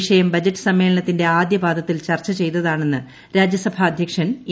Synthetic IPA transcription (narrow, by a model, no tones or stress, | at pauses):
ʂɐjɐmbɐd͡ʑɐʈːɨ̥sɐmːe̞ːɭɐɳɐt̪ːinde̞aːd̪jɐbaːd̪ɐt̪ːilt͡ɕɐrt͡ɕːɐt͡ɕe̞jt̪ːɐðaːɳe̞nːɨ | ɾaːd͡ʑjɐsɐbʱaːd̪ʱjɐkʂɐn